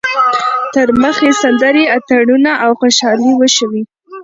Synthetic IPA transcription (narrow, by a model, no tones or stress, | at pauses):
t̪əɾməxesand̪aɾiat̪aɽunaʔawxoʃɑliwəʃəwi